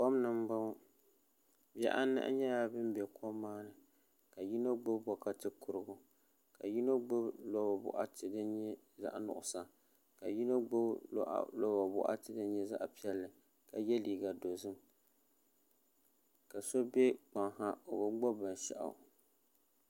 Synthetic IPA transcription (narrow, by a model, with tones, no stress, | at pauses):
k͡pɔ˦mnɨ˨m̩˦ba˦ | bɛ̰˦ʔa̰˦nɨ̰˦ʔɲɛ˦ja˦bɨ˦m˦bɛ˨kʰɔ˦mːaː˦nɨ˨ | ka˨ji˦no˦ɡ͡bo˦bbɔ˨ka˦tɨ˦kʰʊ˨ɾɨ˨ɡʊ˨ | ka̰˨ji˦no˦ɡ͡bo˦blɔ˦ba˨bʊ̰˨ʔa˦tɨ˨dɨ˦ɲɛ˦ | za̰˦ʔnʊ̰˨ʔʊ˨sa˨ | ka˨ji˦no˦ɡ͡bo˦ʔlɔ˦ba˨bʊ̰˦ʔa̰˦tɨ˨dɨ˦ɲɛ˦za̰˦ʔpi˦ɛ˦lːɨ˨ | ka˨jɛ˦liː˨ɡa˨do˨zɨ˦m | ka˨so˦bɛ˦k͡pa˨ŋha˦o˨bɨ˦ɡ͡bɔ˦ba˨n˨ʃɛ̰˨ʔa̰˨